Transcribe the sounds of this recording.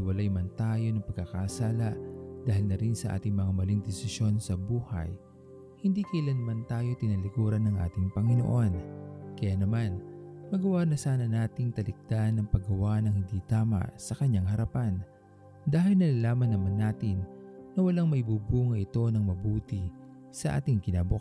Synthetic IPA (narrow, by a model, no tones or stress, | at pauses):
ɪwɐlajmɐnt̪aːjo̞nɐŋpɐɡ̚kːɐkasaːlɐʔd̪̥aːhɪlnɐɾinsɐʔa̰ːt̪ɪŋmɐŋamɐliŋd̪ɛsɪʃjo̞nsɐbuːhɐ̰j | hɪnd̪ikɐʔɪlanmant̪aːjo̞t̪ɪnɐlɪkuːɾɐnːɐŋʔa̰ːt̪ɪŋpɐŋɪno̰ʔo̞nkɐjaːnɐmanmɐɡɐwanɐsaːnɐnaːt̪ɪŋt̪ɐlɪk̚d̪anːɐŋpɐɡɐwaːʔnɐŋhɪnd̪iːt̪aːmɐ̰ʔsɐkɐɲːaŋɦɐɾɐpan | d̪aːɦɪlnɐlaːlaːmɐnːɐmanːaːt̪ɪnːɐwɐlaŋmɐʔɪbubuːŋɐʔɪt̪o̞nɐŋmɐbuːt̪ɪ | sɐʔa̰ːt̪ɪŋkɪnaːbo